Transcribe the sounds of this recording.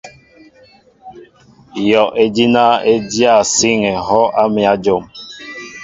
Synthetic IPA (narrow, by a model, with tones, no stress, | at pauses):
jɔ˨ʔe˨d͡ʒi˦na˦e˦dja˦˨si˦ŋɛ˨ɦɔ˦ʔa˦mi˨a˦d͡ʒo˨m